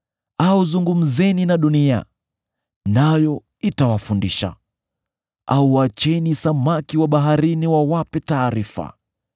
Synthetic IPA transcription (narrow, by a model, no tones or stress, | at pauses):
auzuŋɡum̩zɛninaɗunia̰ | najɔ | itawafundiʃa̰ | auwat͡ʃɛnisamakiwaɓaɦaɾiniwawapɛtaːɾifa̰